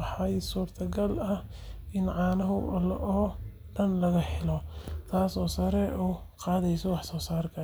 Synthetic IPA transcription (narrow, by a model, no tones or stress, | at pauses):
ħɑjsuːrt̪ʰɐɡɐlɐh | ʔɪnʕɑːnɐɦʊlʔɔː | ɖɐnlɐɣɐħɪlɔt̪ʰaːsɔːsɐɾɛʔuː | qɑːðɛjsɔwɑħsɔːsaːrkʰɐ